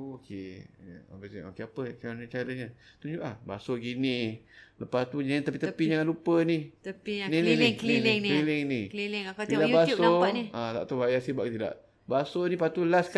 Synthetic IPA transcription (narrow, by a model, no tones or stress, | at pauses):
okʰej̰a̰basio̰keapət͡ʃaɾaɲat͡ʃaɾəɲat̪uɲd͡ʒuʔlaba̰soɡini | ləpast̪uɲaat̪əpit̪əpid͡ʒaŋanlupəniəinininiklilŋlilɪŋniklilŋap̪idabasoat̪a̰ʔt̪ubajasiba̰ʔkt̪ida̰ʔ | basonipat̪ulask